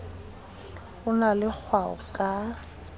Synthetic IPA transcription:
ʊnalɪk͡xʰwaʊ̰kʼa

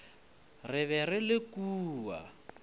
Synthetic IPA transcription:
rɪβɛrɪlɪkuːwa̰

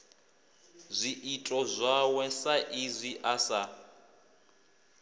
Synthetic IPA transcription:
zʷiʔitʼɔzʷawɛsaʔizʷiʔasa

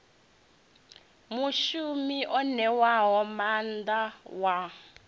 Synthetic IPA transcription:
muʃumiʔɔnɛwaɦɔmandawa

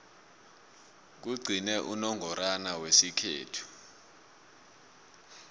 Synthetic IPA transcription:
k̬uɡ͡ǀʱinɛʔunɔŋʱɔɾanawesikʰḛːtʰu̥

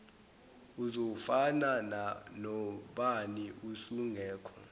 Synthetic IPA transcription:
uzofanananɔɓaniusuŋʱɛːkʰɔ̰

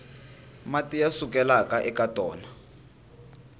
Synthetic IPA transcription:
matijasukɛlakaʔɛkatʼɔːna

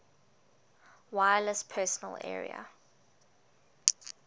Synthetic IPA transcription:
wajələspʰɛˑsɔnəlɛ̰ːɹḭə̰

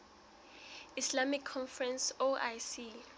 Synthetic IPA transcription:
islamikʰːɔnfrɛnsoʔajsi

